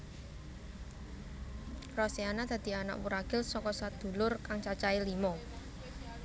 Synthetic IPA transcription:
rɔseanad̪̥ä̤d̪̥i̤ana̰ʔwuɾaɡ̥ɪlsɔkɔsad̪̥ṳlʊrkaŋt͡ʃat͡ʃailimɔ

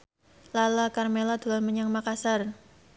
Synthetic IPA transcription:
lalakarmelad̪̥ṳlanməɲaŋmakasar

